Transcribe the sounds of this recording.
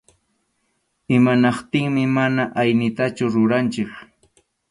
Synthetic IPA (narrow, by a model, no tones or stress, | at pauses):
ɪmanɑqt̪ɪŋmɪmanaʔajnɪt̪at͡ʃʊɾʊɾant͡ʃɪk